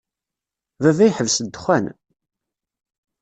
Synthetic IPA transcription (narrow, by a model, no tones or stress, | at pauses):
ðævæjħəvsəd̪ːχʷæn